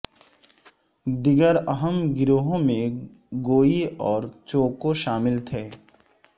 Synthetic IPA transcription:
d̪ɪɡəɾəɦəmɡɪɾoːɦõmẽ | ɡoːiɔːɾt͡ʃoːkoʃaːmɪlt̪ʰɛː

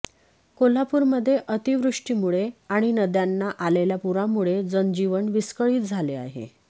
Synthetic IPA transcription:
kol̤apuːɾməd̪ʱːjeʔət̪iʋɾuʂʈimuɭeaɽ̃inəd̪janːaʔaleljapuɾamuɭed͡zənd͡ʑiʋəɳʋiskəɭiːt̪̚d͡zʱalea̰ɦḛ

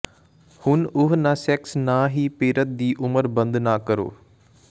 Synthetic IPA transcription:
hʊnʊɦnãːsɛːksnãːɦiːpeːɾət̪̚d̪iːʔʊməɾbənd̪naːkəɾo̰ː

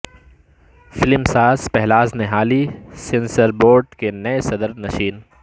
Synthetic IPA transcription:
fɪlɪmsaːzpɛɦlaːzneɦaːlisɪnsəɾboːɾɖkenɐesɐd̪əɾnɐʃiːn

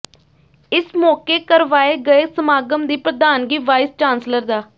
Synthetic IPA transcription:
ɪsmɔːkeːkəɾʋaːeːɡəeːsəmaːɡəmd̪iːpɾəd̪aːnɡiːʋaːɪst͡ʃãːnsləɾd̪aː

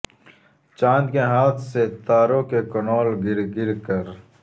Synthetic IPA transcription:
t͡ʃãːnd̪keɦaːt̪ʰset̪aːɾõkekonoːlɡɪɾɡɪɾkəɾ

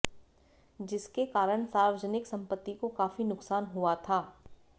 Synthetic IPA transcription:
d͡ʒɪskekaːɾəɳ̃saːɾʋəd͡ʒənɪksɐ̃mpət̪ːikokaːfinʊksaːnɦuat̪ʰaː

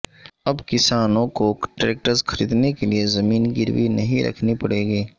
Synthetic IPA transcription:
ɐbkɪsaːnõkoʈɾeːk̚ʈəɾzxɐɾḭːd̪nekeliezɐmiːnɡɪɾʋinɐɦĩɾʔɐ̰kʰnipɐɽeːɡiː

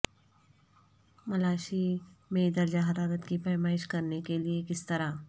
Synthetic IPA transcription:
mɐlaːʃimẽd̪ɐɾd͡ʒaɦɐɾaːɾət̪kifɛːmaːɪʃkɐɾnekeliekɪst̪ɐɾa

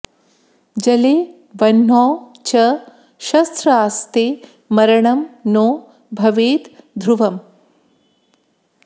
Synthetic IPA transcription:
d͡ʒɐleː | ʋɐnɦɔːt͡ʃɐ | ʃɐst̪ɾɐaːst̪eː | mɐɾɐɳɐmnoː | bʱɐʋeːt̪d̪ʱɾuʋɐm

